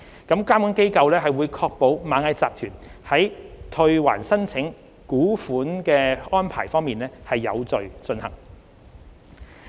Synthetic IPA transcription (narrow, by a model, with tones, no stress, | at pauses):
kɐ˨˥mkaː˥mu˨˥nke˥jkɐ˧wlɛː˥ɦɐ˨jwuː˨˧jkʰɔː˧k̚po˨˥wmaː˨˥ŋhɐ˨˧jt͡saː˨p̚t̪ʰyː˨˩nhɐ˨˥jt̪ʰɵ˧ɥwa̰ː˨˩nsɐ˥nt͡sʰɪ˨˥ŋ | kuː˨˥fuː˨˥nkɛː˧ɔː˥npʰa̰ː˨˩jfɔː˥ŋmiː˨nlɛː˥hɐ˨jːɐ̰˨˧wt͡sɵ˨ɥt͡sɵ˧nhɐ̰˨˩ŋ